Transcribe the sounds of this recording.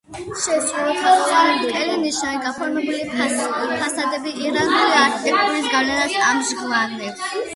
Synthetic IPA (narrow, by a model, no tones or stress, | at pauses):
ʃɛsʼulɔtʰʼɔχʼaɾɛt̪kʼɛliniʃnaniɡapʰɔɾmɛbulipʰasad̪ɛbiːɾanuliaɾkʰit̪ʰɛk̚t̪ʼuɾisɡavlɛnasamʒɡlˠanɛ